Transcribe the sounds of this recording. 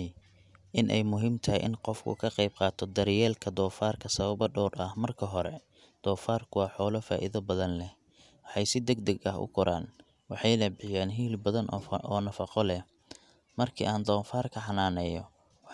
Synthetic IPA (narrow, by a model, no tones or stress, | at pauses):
ʔɪnʔɛ̰jmʊɦɪmt̪ʰɐjʔɪ̰nqɔfkʰʊ̰kʰɐqɑjb̚qɑːt̪ʰɔd̪ɐɾjɛːlkʰɐd̪ɔːfaːrkʰɐsɐβɐbɐɖɔːrɐhmɐrkʰɐɦɔɾɛ | d̪̥ɔːfaːrkʰʊwɑːħɔːlɐfa̰ːʔɪðɐbɐðɐnlɛh | wɑħɑjsɪd̪ɐɡ̚d̪ɐɡɐɦʊ̰ɡʰɔɾa̰ːn | wɑħɑjlɐbɪħɪjaːnɦiːlbɐðɐnɔːnɐfɐqɔlɛ | mɐrkʰḭːʔaːnd̪ɔːfaːrkʰɐħɑnaːnɛjɔ